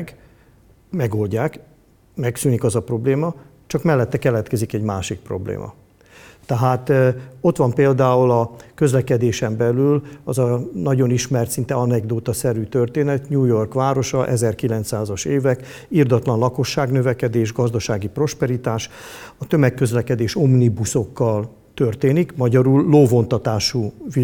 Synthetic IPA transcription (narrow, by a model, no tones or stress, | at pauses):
ɡ | mɛɡo̞lɟaːk | mɛksyːnikɒzɒpro̞bleːmɒ | t͡ʃɒkmɛlːɛt̪ːɛkɛlɛt̪kɛzikɛɟmaːʃik̚pro̞̰blḛːmɒ̰ | t̪ɛɦaːt̪o̞t̪ʋɒmpeːld̪aːulɒkø̞zlɛkɛd̪eːʃɛmbɛlylɒzɒnɒɟo̞niʃmɛrt̪sint̪ɛɒnɛɡd̪oːt̪ɒsɛɾyːt̪ørt̪eːnɛt̪ɲuːjo̞rkʋaːɾo̞ʃɒʔɛzɛrkilɛnt̪saːzɒʃeːvɛk | ird̪ɒt̪lɒnlɒko̞ʃːaːɡnøvɛkɛd̪eːʒɡɒzd̪ɒʃaːɡipro̞ʃpɛɾit̪aːʃɒt̪ø̞mɛkːø̞zlɛkɛd̪eːʃo̞mnibuso̞kːɒl | t̪ø̞rt̪eːnikmɒɟɒɾulːoːvo̞nt̪ɒt̪aːʃuːvi